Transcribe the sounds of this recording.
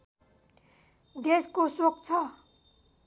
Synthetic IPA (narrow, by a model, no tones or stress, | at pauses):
d̪eskosokt͡sʰʌ